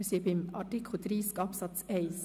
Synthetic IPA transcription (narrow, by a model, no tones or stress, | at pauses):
siːɾpɪmɑʈɪkʰʊt̪ʰɾiːskɑːpsɑt̪seɪs